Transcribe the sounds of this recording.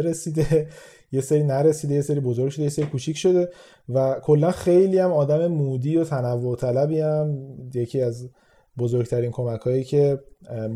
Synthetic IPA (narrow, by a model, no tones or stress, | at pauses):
ɾesiːd̪e | je̞seɾiːnæɾe̞siːd̪e̞jese̞ɾiːbo̞zo̞ɾɡʲʃod̪ejeseɾikʰut͡ʃʰicʃo̞d̪e̞ | vækʰo̞lːænxe̞jliːæmɒːd̪æme̞muːd̪iːjot̪ʰænævːot̪ʰælæbiːæmje̞cʰiːæz | bo̞zoɾɡt̪ʰæɾinkʰo̞mækʰɒːjiːcʰe̞